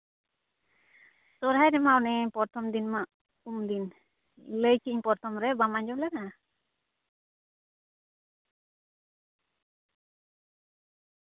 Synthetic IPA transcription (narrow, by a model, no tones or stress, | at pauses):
sɔɾɦajɾɛmaɔnɛpɔɾt̪ʰɔmd̪inmaʔ | umd̪in | ləjt͡ʃiɲpɔɾt̪ʰɔmɾɛbamaɲd͡ʒɔblɛna